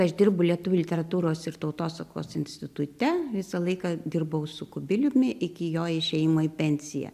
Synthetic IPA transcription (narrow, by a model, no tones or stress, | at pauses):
ɐʃd̪ʲɪrbʊlʲiɛt̪ʊʋʲʊlʲɪt̪ʲɛɾɐt̪uːɾoːsɪɾt̪ɐʊt̪oːsɐko̰ːsɪnʲsʲt̪ʲɪt̪ʊt̪ʲɛʋʲɪsɐlˠɐɪkɑd̪ʲɪrbɐʊsʊkʊbʲɪlʲʊmʲɪʔɪkʲɪjoːɪʃʲɛjɪmoːɪpʲɛnʲsʲɪjɛ̰